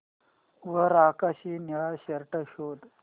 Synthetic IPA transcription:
ʋəɾakaɕiːniɭaɕəɾʈəɕod̪

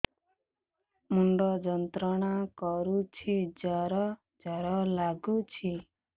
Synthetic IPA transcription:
muɳɖɔd͡ʒɔnt̪ɾɔɽ̃akɔɾut͡ʃʰid͡ʒaɾɔ | d͡ʒɔɾɔlaɡut͡ʃʰi

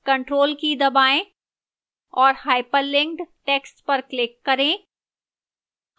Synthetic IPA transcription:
kɐ̃ɳʈɾoːlkid̪ɐbaːẽ | ɔːɾhaːɪpəɾlɪ̃ŋkɖʈeːksʈpɐɾklɪkːɐɾẽː

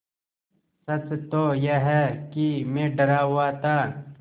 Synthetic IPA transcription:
sɐt͡ʃt̪oːjeɦɛkimẽːɖɐɾaːuwaːt̪aː

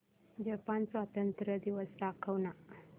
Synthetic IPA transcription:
d͡ʒapansʋat̪ənt̪ɾəd̪iʋəsɾakʰəwna

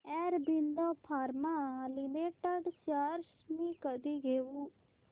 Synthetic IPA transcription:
ɛːɾbɪnd̪oːpʰaːɾmaːlɪmeʈəɖt͡ʃaːɾʃ | miːkəd̪iːɡeːʋuː

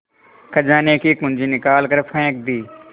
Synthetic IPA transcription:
kʰəd͡ʒãːneːkiːkʊ̃nd͡ʒiːnɪkaːlkəɾpʰə̃ːk̚d̪iː

